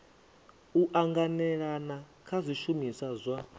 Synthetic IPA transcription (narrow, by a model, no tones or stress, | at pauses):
uʔaŋɡanɛɺana | kʰazʷiʃumisazʷa